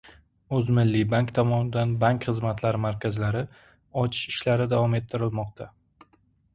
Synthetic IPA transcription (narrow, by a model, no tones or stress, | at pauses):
ɵzmɪlːibaŋkʲt̪ʰɒmɒnɪd̪anbaŋkʲχɨzmat̪ʰlaɾɪmaɾkʲazlaɾɪ | ɒt͡ʃʰɪ̥ʃɪʃlaɾɪd̪avɒme̞t̪ʰːɪɾɪlmɒqt̪ʰa